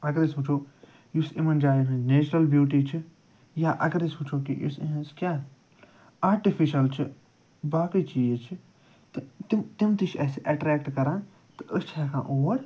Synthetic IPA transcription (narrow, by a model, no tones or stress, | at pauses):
ɐɡɐɾisput͡ʃʰoː | jusimɐnd͡ʒaːjiɦĩneːt͡ʃɾɐlbjuːʈ̬iːt͡ʃʰi | jaːʔɐɡɐɾisput͡ʃʰoːkḭjṵsḭ̃ɦənskjaː | aːɾʈifiʃɐlt͡ʃʰi | baːkit͡ʃiːt͡ʃʰi | t̪t̪imt̪imt̪it͡ʃʰɛːseʔɐʈɾɛːkʈkɐɾãː | t̪ɨʔəst͡ʃʰɛːkʰã̰ːʔoːɾ